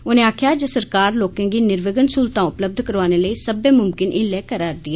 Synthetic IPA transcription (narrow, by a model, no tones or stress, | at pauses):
oːnẽːaːkʰjaːd͡ʒəsəɾkaːɾloːkãːɡiːnɪɾʋəɡənsuːlt̪ãːʊpləb̚d̪ʱkəɾʋaːneːləiːsəbeːmʊmkɪnʔɪnlɛːkəɾaːɾd̪iːaː